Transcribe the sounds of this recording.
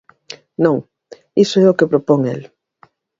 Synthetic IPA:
nõŋ | isoɛokepɾopoŋḛl

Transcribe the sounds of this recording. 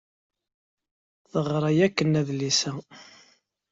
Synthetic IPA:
θəʁɾˤæjækːənːæðlisæ

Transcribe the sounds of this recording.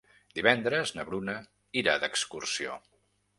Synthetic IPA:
d̪iβɛnd̪ɾəznəβɾunə | iɾa̰d̪əkskursio̰

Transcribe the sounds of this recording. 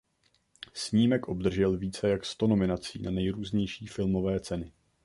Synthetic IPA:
sɲiːmɛkʔo̞bd̪r̩ʒɛlviːt͡sɛjakst̪o̞no̞mɪnat͡sḭːnanɛjɾuːzɲɛjʃiːfɪlmovɛːt͡sɛnɪ

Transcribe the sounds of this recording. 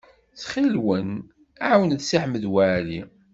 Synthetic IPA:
t͡sχilwən | aʕwənθsiħməðwaʕli

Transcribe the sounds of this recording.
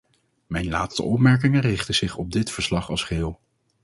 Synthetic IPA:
mɛjnlaːtstə̰ʔɔpmɛɹk̬ɪŋərɪχtəz̥ɪχɔb̚dɪtfəɹslɑχɑlˠsχɪːlˠ

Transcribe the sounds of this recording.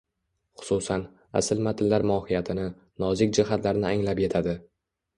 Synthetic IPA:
χʊ̥susan | a̰sɪlmat̪ʰɪlːaɾmɒhɪjat̪ʰɪnɪ | nɒzɪkʲd͡ʒɪɦat̪laɾnɪaŋlapjet̪ʰad̪ɪ

